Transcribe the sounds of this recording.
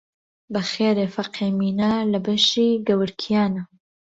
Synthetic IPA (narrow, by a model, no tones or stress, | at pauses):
bɐxeːɾeːfɐqʰeːmiːnalɐbɐʃiːɡɐwɨɾkʰijaːnɐ